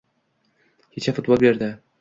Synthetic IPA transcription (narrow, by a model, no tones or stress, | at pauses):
kʰʲet͡ʃʰafʊt̪̚bolˠbe̞ɾd̪ɪ